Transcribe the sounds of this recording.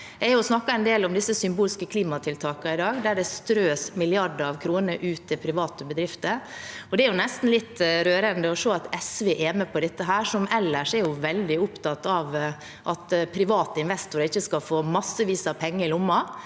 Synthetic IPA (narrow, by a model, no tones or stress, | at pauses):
ɛæɾjʊsnɑkːɑɛnd̪eːlɔmd̪ɪsːəsʏmbuːlskəkʰliːmɑt̪ʰɪlt̪ʰɑːkɑɪd̪ɑːɡd̪æɖɛst̪ɾøːsmɪlɪɑɖəɾɑʋkʰɾuːnəʔʉːt̪ːɪpʰɾɪʋɑːt̪əbəd̪ɾɪft̪əɔd̪ɛæɾjʊnɛst̪n̩lɪt̪ːɾøːɾənd̪əɔʂoːɑt̪ɛsʋeʔɛːmɛpʰɔd̪ɛt̪ːəɦæːʂɔmɛlːəʂɛɾjʊʋɛld̪ɪʊpt̪ɑt̪ːɑʋ | ʔɑt̪pʰɾɪʋɑːt̪əɪnʋɛst̪ʊɾɪçːəskɑfoːmɑsːəʋiːsɑpʰɛŋːəɪlʊmːɑ